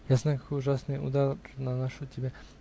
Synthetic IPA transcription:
jasnakḁkojuʒasniṵːd̪ananaʃut̪ʲɛbʲjɛ

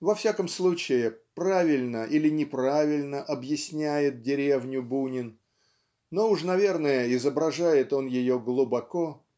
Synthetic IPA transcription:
vɐfsʲakəmslˠut͡ɕɪjɪpɾavʲɪlʲnəʔilʲɪnʲɪpɾavʲɪlʲnəʔɐbjɪsʲnʲæjɪt̪̚dʲɪɾʲe̞vnʲʊbunʲɪn | no̞ʊʂnɐvʲe̞rnəjəɪzəbɾɐʐajɪt̪o̞njɪjo̞ɡlˠʊbɐko̞

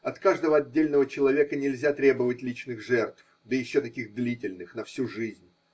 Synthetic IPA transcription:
ɐt̪kaʐd̪əvəɐdʲːelʲnəvət͡ɕɪlˠɐvʲe̞kənʲɪlʲzʲat̪ɾʲe̞bəvətʲlʲit͡ɕnɨxʐɛrt̪f | d̪əjɪɕːot̪ɐkʲiɣd̪lʲitʲɪlʲnɨxnɐfsʲuʐɨzʲnʲ

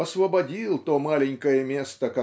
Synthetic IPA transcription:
ɐsvəbɐdʲilˠt̪o̞malʲɪnʲkəjəmʲe̞st̪əkɐ

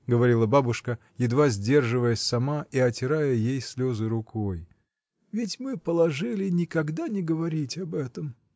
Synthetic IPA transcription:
ɡəvɐɾʲilˠəbabʊʂkə | jɪd̪vazʲdʲe̞rʐɨvəjəsʲsɐmaiɐtʲɪɾajəjejsʲlʲo̞zɨɾʊkʰoj | vʲɪtʲmɨpəlˠɐʐɨlʲɪnʲɪkɐɡd̪anʲɪɡəvɐɾʲitʲɐbɛt̪əm

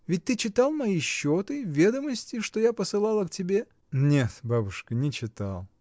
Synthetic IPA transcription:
vʲɪt̚ʲt̪ɨt͡ɕɪt̪alˠmɐiɕːot̪ɨvʲe̞d̪əməsʲtʲɪʂt̪ojapəsɨlˠalˠəktʲɪbʲe̞ | nʲet̪babʊʂkənʲɪt͡ɕɪt̪a̰lˠ

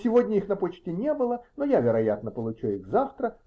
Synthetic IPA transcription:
sʲɪvodʲnʲəixnɐpot͡ɕtʲɪnʲebɨlˠənojavʲɪɾɐjat̪nəpəlˠʊt͡ɕuixzaft̪ɾə

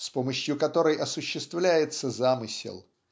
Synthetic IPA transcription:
spo̞məɕjʊkɐt̪o̞ɾəjʔɐsʊɕːɪst̪vlʲæjɪt̪səzamɨsʲɪ̰lˠ

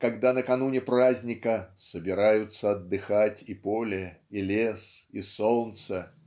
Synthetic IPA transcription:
kɐɡd̪anəkɐnunʲɪpɾazʲnʲɪkəsəbʲɪɾajʊt̪səɐd̪ːɨxatʲipolʲɪilʲesisolˠnt̪sə

